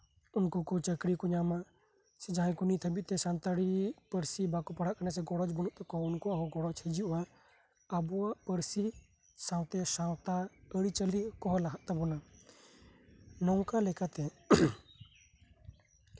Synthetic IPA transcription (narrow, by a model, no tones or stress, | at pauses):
unkɔkɔt͡ʃəkɾikɔɲama | sɛd͡ʒaɦɛ̃kɔnit̪ʰəbit̪ɛsant̪aɽipəɾsibakɔpəɽaʔkanasɛɡɔɽɔt͡ʃbɔnɔʔt̪ɛkɔunkɔʔaɦɔɡɔɽɔt͡ʃhɛd͡ʒiʔuʔa | əbɔaʔpəɾsi | saw̃t̪ɛsawt̪aəɽit͡ʃəlikɔɦɔlaɦaʔt̪abɔna | nɔŋkalɛkat̪ɛ